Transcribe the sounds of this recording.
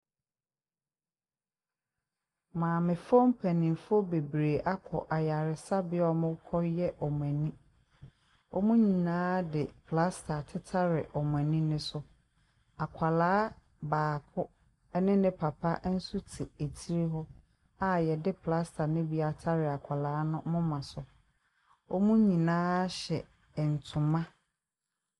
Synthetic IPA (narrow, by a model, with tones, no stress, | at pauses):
mãː˨mɪ̃˨fɔ̃˦m˦pʰæ˨nĩ˨m˨fʊ˦ɔ˦be˨bɾeː˨ʔa˦kʰɔ̰˨ʔa˨ja˨ɾɪ˨sa˦bɪ˦ɔ˦mʊ̃˦kʰɔ˦jɛ˦ʔɔ˨m̃˨ɛ̃˨nĩ˦ | ɔ˦mũ˦ɲĩ˨nãː˦dɪ˨pʰla˦stʰa˨tʰɪ˦tʰa˦ɾɪ˨ʔɔ˨m˨ɛ̃˨nĩ˦nʊ̃˦sʊ˦ | a˨kʷʰa˨laː˦ | baː˨kʰʊ˦ | ɛ˦nɪ̃˦nɪ̃˦pʰa˨pʰa˦n̩˦su˦tʰi˨e˨tʰi˦ɾe˦ɦɔ˦ | a˨jɛ˨dɪ˦pʰla˦stʰa˨nʊ̃˦bi˨˦a˨tʰa˦ɾɪ˨a˨kʷʰa˨laː˨˦nʊ̃˦mʊ̃˦mã˨sʊ˨ | ɔ˦mũ˦ɲĩ˨nãː˦ɕɛ˨ | n̩˨tʰʊ̃˨mã˦